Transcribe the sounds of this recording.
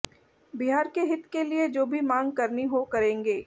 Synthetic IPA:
biɦaːɾkeɦɪt̪kelied͡ʒoːbʱimãːŋɡ̚kɐɾniɦokɐɾẽːŋɡeː

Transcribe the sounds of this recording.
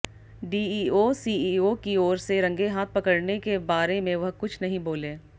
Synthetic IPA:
ɖiːiːosiːiːokioːɾseɾɐ̃ŋɡeɦaːt̪̚pɐkəɽnekebaːɾemẽʋɐɦkʊt͡ʃʰnɐɦĩboːlẽː

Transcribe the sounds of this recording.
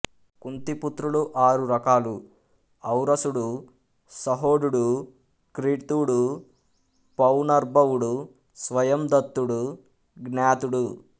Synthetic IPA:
kunt̪iput̪ɾuluʔaːɾuɾɐkaːlu | ɐwɾɐsuɽu | sɐɦoːɖ̪uɽu | kɾiːt̪uɽu | pɐwnɐɾbʱɐwuɽu | sʋɐjɐmd̪ɐt̪ːuɽu | ɡnaːt̪uɽu

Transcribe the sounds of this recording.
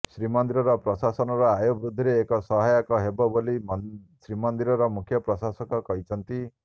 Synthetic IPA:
sɾimɔnd̪iɾɔɾɔpɾɔsasɔnɔɾɔajɔbɾud̪ʱːiɾeːkɔsɔɦajakɔɦebɔbolimsɾimɔnd̪iɾɔɾɔmukʰjɔpɾɔsasɔkɔkɔit͡ʃʰɔnt̪i

